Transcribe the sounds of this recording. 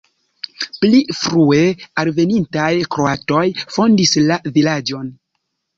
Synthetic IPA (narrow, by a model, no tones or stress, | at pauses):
plifɾue̞alve̞nintajkɾo̞ato̞jfo̞ndislavilad͡ʒo̞n